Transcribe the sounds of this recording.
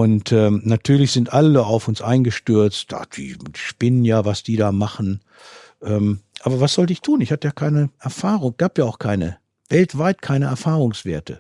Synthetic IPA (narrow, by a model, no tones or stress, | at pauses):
ʔʊntɛːmnatʰyːɐlɪçz̥ɪntʔaləaʊfʊnsʔaɪnɡəʃtʏɐt͡std̥a̰ːd̥ḭ̥ːiʃpɪnənjaːvasd̥iːɾaːmaχn̩ | ʔɛːmʔaːbɐvasz̥ɔltəɪçtʰuːnɪçhatəjaːkʰaɪnəʔɛɐfaːʁʊŋɡ̥aːpjaːaʊxkʰaɪnə̰ | vɛltv̥aɪtkʰaɪnəʔɛɐfaːʁʊŋsv̥eːɐtʰə̰